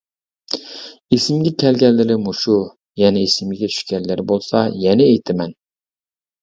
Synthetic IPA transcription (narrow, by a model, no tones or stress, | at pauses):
esɪmɡʲɛkʲʰɛlɡʲɛlːɪɾɪmuʃu | jɛnɪesɪmɪɡʲɛt͡ʃʲʰy̥ʃkʲɛnlːɪɾɪbolˠsɑjɛnɪːjt̪ʰɪmɛn